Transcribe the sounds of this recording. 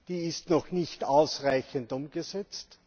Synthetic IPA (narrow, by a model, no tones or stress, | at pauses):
d̥iːɪstnɔxnɪçtaʊsʁaɪçəntʊmɡ̥əzɛt͡st